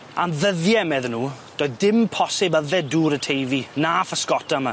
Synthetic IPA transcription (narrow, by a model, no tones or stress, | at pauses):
anðəðjɛmɛðnuːd̥oːɨðdɪmpʰɔsɪbəðɛduːɾətʰejvinaːfəskɔtama